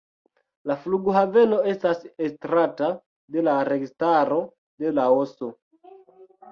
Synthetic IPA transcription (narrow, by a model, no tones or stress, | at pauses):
lafluɡuɦave̞no̞e̞stasestɾata | de̞laɾe̞ɡistaɾo̞ | de̞laoso̞